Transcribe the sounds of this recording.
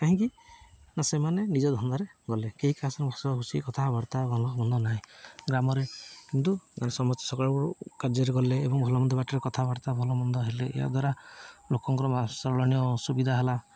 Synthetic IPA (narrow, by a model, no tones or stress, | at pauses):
kaɦĩkinasemanenid͡ʒɔd̪ʱɔnd̪ɔɾeɡɔlekeɦikasɔɾebʱasɔaɦusikɔt̪ʰabɔɽt̪aɡɔlɔmɔnd̪ɔnaɦĩɡɾamɔɾekint̪uɡanesɔmɔt̪i̥sɔkɔɭbɔukaɾd͡ʒɔɾeɡɔleːbɔŋbʱɔlɔmɔnd̪ʱɔbaʈɔɾekɔt̪ʰabɔɾt̪abʱɔlɔmɔnd̪ɔɦeleʔḛɦa̰d̪ʱwaɾalokɔŋkɔɾɔasɔɾɔɭɔñijɔsubid̪ʱaɦela